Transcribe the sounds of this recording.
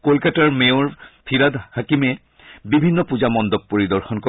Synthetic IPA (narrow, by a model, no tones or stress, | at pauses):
kolkataɹmeʊɹpʰiɹad̪hakimɛ | bibʱinːɔpud͡ʑamɔnd̪ɔb̚poɹid̪ɔɹxɔnko